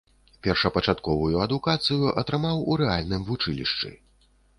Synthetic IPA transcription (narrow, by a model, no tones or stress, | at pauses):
pʲɛrʂɐpɐt͡ʂat̪kɔvujuɐd̪ukat̪sɨjuʔɐt̪ɾɨmawuɾɛalʲnɨmvut͡ʂɨlʲḭʂt͡ʂɨ̰